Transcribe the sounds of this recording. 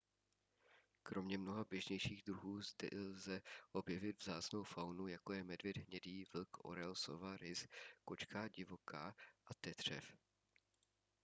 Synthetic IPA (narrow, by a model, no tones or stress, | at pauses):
kɾʔo̞mɲɛmno̞ɦabjɛʒɲɛjʃiːɣd̪ɾuɦuːzd̪ɛʔlzɛʔo̞bjɛvɪd̪vzaːt͡sno̞wfawnujako̞jɛmɛdvɪd̪ɦɲɛdiːvl̩kʔo̰ɾɛlsovaɾɪsko̞t͡ʃkaːɟɪvo̞kaːʔat̪ɛt̪r̝̥ɛ̰f